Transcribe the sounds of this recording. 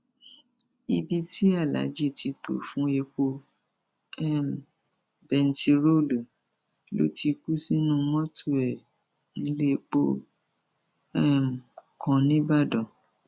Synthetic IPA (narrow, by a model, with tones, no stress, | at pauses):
i˧bi˧ti˦a˦˨la̰˨˦d͡ʒi˦˨ti˧to̰˨fũ˦e˧k͡po˧ | ɛ˦m˨ | bɛ˧n̩˦ti˧ɾo˦lu˨ | lo̰˦ti˧ku˦si˦nũ˦˧mɔ̃˦tu˦˨ɛ˨ | n̩˨˧˦le˦˧k͡po̰˦ | ɛ˦˨m˨kʰɔ̃˧nĩ˦ba˦˨dɔ˨